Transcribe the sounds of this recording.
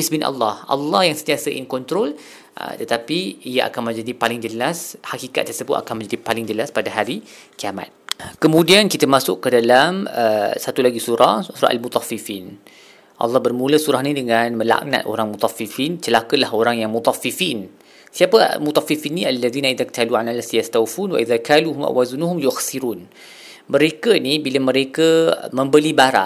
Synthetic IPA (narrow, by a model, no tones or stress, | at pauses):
isbinʔɑ̰lːɑhʔɑ̰lːɑhjaŋsənt̪iasəʔḭnkɔnt̪ɾɔl | ʔə̰t̪ət̪apiijaʔa̰kanmə̃nd͡ʒadipalɪŋd͡ʒəlashakika̰t̪̚ːərsəbʊt̪a̰kanmə̃ɲd͡ʒadipalɪŋd͡ʒəlaspadaɦaɾikiama̰t̪̚kəmũdiankit̪əmasʊʔkːədalaməsat̪ulaɡisuɾahsuɾa̰ʔa̰lmut̪ɑfifin | ʔɑ̰lːɑhbərmũləsuɾahnidəŋanmə̃la̰ʔna̰t̪ʔo̰ɾaŋmut̪ˤɑfifint͡ʃəlakəlahoɾaŋjaŋmut̪ˤɑfifin | siapə̰mut̪ˤɑfifinːialːaðiːnaiðakt̪ʰaluʕanalasjast̪awfunwa̰ʔiðakaluɦumʔa̰ʔwazunuɦʊmjʊxsiɾuːn | mə̃ɾekənibiləmə̃ɾekəmə̃mbəlibaɾa̰